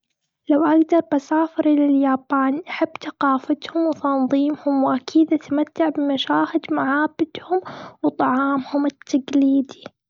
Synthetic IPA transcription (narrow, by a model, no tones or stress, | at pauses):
lawʔaɡd̪ɑɾˤbasaːfɪɾlɪljaːbaːnʔaħabːt̪aqɑːfat̪hʊmwɪt̪ɑnðˤiːmhʊmwʔakʰiːd̪ʔat̪amat̪ːaʕbɪmaʃaːhɪd̪maʕaːbɪd̪hʊmwt̪ˤɑʕɑːmhʊmɪt̪ːaɡliːd̪i